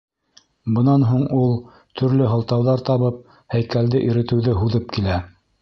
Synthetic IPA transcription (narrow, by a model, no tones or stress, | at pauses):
bɤ̆nɑnɦuɴulˠ | t̪ʰɵ̆ɾlɘɦɤ̆lˠt̪ɑwðɑɾt̪ɑβɤp̚ | hæjkæld̪ɘʔiɾɘ̆t̪ɘ̆wðɘɦuðɤpkilæ